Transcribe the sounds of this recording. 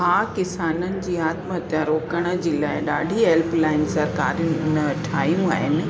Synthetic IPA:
ɦaːkɪsaːnənɪ̆d͡ʑiːaːt̪mət̪jãɾoːkəɽ̃ə̆d͡ʑiːlaːɪɗaːɖʱiɦelplaːɪnsɐɾkaːɾijʊ̃nɪʊnə̆ɐʈʰaːjũa̰ːɦɪnɪ̆

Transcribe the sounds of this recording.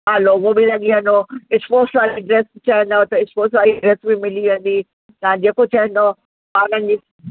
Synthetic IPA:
aloʋobilɐɠiɦɐ̃nd̪oɪsfoːsaɾiɖɾɛst͡ɕɐɦɛ̃nd̪at̪ɐɪsfoːsaːɾiɖɾɛsbimɪliʋə̃nd̪i | t̪ɐãd͡ʑeːkot͡ɕɐɦə̃nd̪o | paːnə̃nd͡ʑi

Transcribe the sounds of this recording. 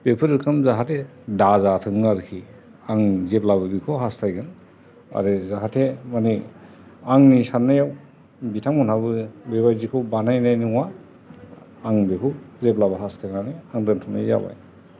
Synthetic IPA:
pepʰɯɾɯkʰɯmzaɦatʰe | dazatʰɯŋaɾkʰi | aŋzeplabɯbikʰɔwɦastʰajɡɯn | a̰ɾɯzaɦatʰemani | aŋnisanːajaw | bitʰaŋmɔnabɯbeβajzikʰɯwbanajnajniŋwa | aŋbekʰɯzep̚labaɦastʰaŋanɯaŋdɯntʰɔnajːa̰ba̰j

